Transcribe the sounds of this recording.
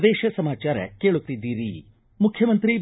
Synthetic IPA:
d̪eːʃɐsɐmaːt͡ʃaːɾɐ̰keːɭut̪ːid̪ːiːɾi | mukʰjɐmɐnt̪ɾi

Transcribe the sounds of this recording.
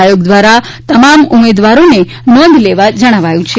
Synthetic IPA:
joɡd̪ʋaɾa | t̪əmamumed̪ʋaɾone | nɔ̃nd̪ʱleʋad͡ʒəɽ̃aʋajũt͡ʃʰe

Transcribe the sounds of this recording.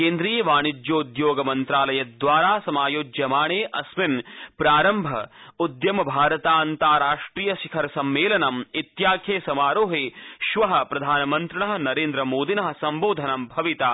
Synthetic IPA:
keːnd̪ɾijɐʋaːɳid͡ʒjoːud̪joːɡɐmɐnt̪ɾaːlɐjɐd̪ʋaːɾaːsɐmaːjoːd͡ʒjɐmaːɳeːʔɐsminpɾaːɾɐmbʱɐud̪jɐmɐbʱaːɾɐt̪aːɐnt̪aːɾaːʂʈɾiːjɐʃikʰɐɾɐsɐmːeːlɐnɐmit̪jaːkʰjeːsɐmaːɾoːɦeːʃʋɐɦɐ̆pɾɐd̪ʱaːnɐmɐnt̪ɾɐɳɐɦɐnɐɾeːnd̪ɾɐmoːd̪inɐɦɐ̆sɐmboːd̪ʱɐnɐmbʱɐʋit̪aː

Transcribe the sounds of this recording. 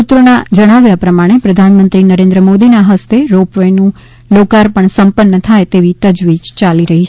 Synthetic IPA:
ut̪ːɾənad͡ʒəɽ̃aʋjapɾəmaɽ̃epɾəd̪ʱanmə̃nt̪ɾinəɾẽnd̪ɾəmod̪inaɦəst̪eɾopʋəjnũ | lokaɾpəɳsəmpənːət̪ʰajt̪eʋit̪əd͡ʒʋid͡ʒt͡ʃaliɾəɦit͡ʃʰ

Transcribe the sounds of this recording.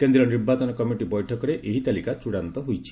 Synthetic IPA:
kend̪ɾɔniɾbat͡ʃɔnɔkɔmiʈibɔjʈʰɔkɔɾeʔeɦit̪alikat͡ʃuɽant̪ɔɦojt͡ʃʰi̥

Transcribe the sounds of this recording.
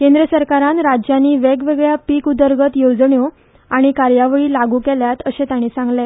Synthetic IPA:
kẽnd̪ɾəsəɾkaɾãnɾad͡ʑjanːiːʋeɡʋeɡɭjapiːkud̪əɾɡət̪jod͡zɳjo | aɽ̃ikaɾjaʋɭiːlaɡuːkɛljat̪əɕẽt̪aɽ̃iːsãŋɡle

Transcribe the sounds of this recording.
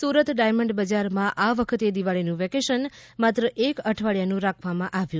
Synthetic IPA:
suɾət̪ɖajməɳɖbəd͡ʒaɾmãʔaʋəkʰət̪ed̪iʋaɭinũʋɛkeʃənmat̪ɾəʔekəʈʰʋaɭjanũɾakʰʋamãʔaʋjũ

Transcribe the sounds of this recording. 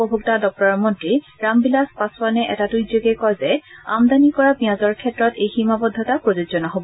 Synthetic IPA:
pɔbʱuktadɔk̚tɔɹɔmɔntɹi | ɹambilaspaswanɛʔɛtatujzoɡɛkɔjzɛamdanikɔɹabiãzɔɹkʰɛtɹɔtejximabɔd̪ʱːɔtapɹɔzozɔnɔɦobɔ

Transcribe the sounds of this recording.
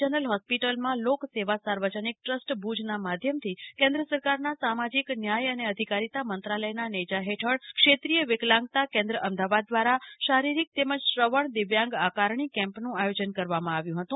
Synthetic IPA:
ənəlɦɔspiʈəlmãlokseʋasaɾʋəd͡ʒənik̚ʈɾəsʈbʱud͡ʒnamad̪ʱjəmt̪ʰikẽnd̪ɾəsəɾkaɾnasamad͡ʒiknjajəneəd̪ʱikaɾit̪amənt̪ɾaləjnanəd͡ʒaɦeʈʰəɽkʃet̪ɾijəʋɪklãŋɡt̪akẽnd̪ɾəʔəmd̪aʋad̪̚ːʋaɾaʃaɾiɾik̚t̪eməd͡ʒʃɾəʋəɳd̪ɪʋjãŋɡakaɾɳ̃ikɛ̃mpnũajod͡ʒənkəɾʋamãaʋjũɦət̪ũ

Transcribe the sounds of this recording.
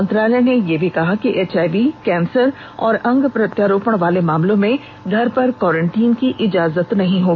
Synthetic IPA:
ə̃nt̪ɾaːlənejebʱikɐɦakiʔeːt͡ʃaːɪʋikɛ̃ːnsəɾ | ɔːɾɐ̃ŋɡpɾɐt̪jaːɾoːpəɽ̃ʋaːlemaːmlõmẽ | ɡʱɐɾpɐɾkɔːɾə̃ɳʈiːnkiʔɪd͡ʒaːzət̪nɐɦĩɦoː

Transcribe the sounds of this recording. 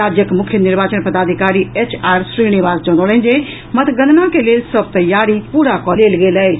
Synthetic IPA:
aːd͡ʒjəkmʊkʰjənɪɾbaːt͡ʃənpəd̪aːd̪ʱikaːɾiet͡ʃaːɾsɾinɪʋaːsd͡ʒɔñolə̃nd͡ʒe | mət̪ɡənnãkeleːlsəb̚t̪əjaːɾipuːɾakɔleːlɡeːlɛe

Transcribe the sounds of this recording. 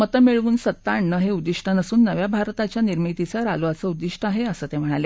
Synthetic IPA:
mət̪əmiɭuːnsət̪ːaɳːəɦeud̪iʂʈʰənəsuːnːəʋjabʱaɾt̪at͡ɕjaniɾmit̪it͡saɾaluʋat͡səud̪iʂʈəaɦeəsəːt̪em̤əɽ̃ale

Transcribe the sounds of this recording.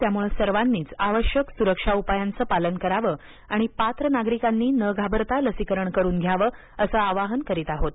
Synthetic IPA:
t̪jamuɭesəɾʋanːiːt͡saʋəɕjəksuɾəkʂaupajant͡səːpalənkəɾaʋəː | aɽ̃ipat̪ɾənaɡɾikanːiːnəɡʱabəɾt̪aləsikəɾəɳkəɾuːnɡʱjaʋəː | əsəaʋaɦənkəɾiːt̪aɦot̪̚

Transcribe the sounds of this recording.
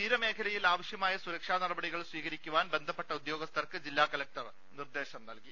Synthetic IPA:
t̪iːɾɐme̞ːkʰɐlɐjilaːʋɐɕjɐmaːjɐsuɾɐkʂaːnɐrɐbɐɽiɣɐɭsʋiːɣɐɾikʲːuʋaːnbe̞nd̪ʱɐpːeʈːɐud̪jo̞ːɡɐst̪ʰɐrkɨd͡ʑilːaːkɐlɐk̚ʈɐr | nird̪e̞ːɕɐmnɐlki

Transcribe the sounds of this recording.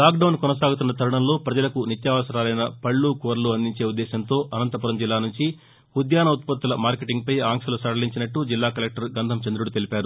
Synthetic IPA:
laːk̚ɖɐwnkɔnɐs̬aːɡut̪̬unːɐt̪ɐɾuɳɐmlo̞ːpɾɐd͡ʒɐlɐkunit̪jaːʋɐsɐɾaːlɐjnɐpɐɭːuːkoːɾluɐnd̪iɲt͡ʃe̞ːud̪ːɛːɕɐnt̪o̞ːʔɐnɐnt̪ɐpuɾɐmd͡ʒilːaːnuɲt͡ʃi | ud̪jaːnɐut̪̚pɐt̪ːulɐmaːɾkeʈiŋɡ̚pɐjaːŋkʂɐlusɐɽɐliɲt͡ʃinɐʈːud͡ʒilːaːkɐlek̚ʈɐɾɡɐnd̪ʱɐmt͡ʃɐnd̪ɾuɽut̪e̞lipaːɾu

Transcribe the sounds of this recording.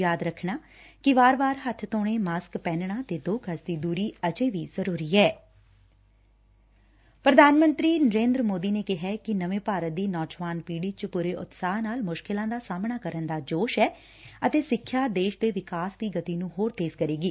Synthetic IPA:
jaːd̪ɾəkʰɳaː | kɪʋaːɾbaːɾɦət̪ʰt̪oːɽ̃eːmaːskpɛːnɳ̃aːt̪eːd̪oːkʰəsd̪iːd̪uːɾiːəd͡ʒeːʋiːzəɾuːɾiːɛː | pɾəd̪ʱaːnmə̃nt̪ɾiːnəɾẽːnd̪ɾəmoːd̪iːneːkɪɦɛːkɪnəʋẽːpaːɾət̪̚d̪iːnɔːd͡ʒʋaːnpiːɽiːt͡ʃpuːɾeːʔʊ̰t̪saːɦnaːlmʊʃkɪlãːd̪aːsaːmɳaːkəɾənd̪aːd͡ʒoːʃɛː | ət̪eːsɪkʰːjaːd̪eːʃd̪eːʋɪkaːsd̪iːɡət̪iːnũːɦoːɾt̪eːzkəɾeːɡiː

